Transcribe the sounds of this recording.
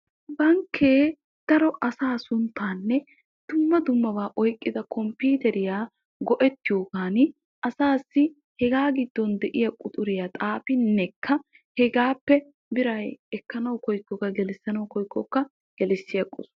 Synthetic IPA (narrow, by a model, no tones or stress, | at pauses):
bɐŋkʰːeː | d̪̥ɐɾɔʔɐsaːsʊnt̪ːaːnːɛ | d̪̥ʊmːɐd̪ʊmːɐbaːʔɔjkʼːɪd̪ɐkʰɔmpiːt̪ɛɾɪjaː | ɡɔʔɛt̪ːɪjoːɡaːnɪ | ʔɐsaːsːɪ | hɛɡaːɡɪd̪ːɔnd̪ɛʔɪjɐkʼʊt̪ʼʊɾɪjat̪ʼaːfɪnːɛkʰːɐ | hɛɡaːpːɛ | bɪɾɐjɛkːɐnɐwkɔjkːɔkɐɡɛlsːɐnɐwkɔjkːɔkːɐ | ɡ̥ɛlɪsːɪjɐkʼːɔ̰s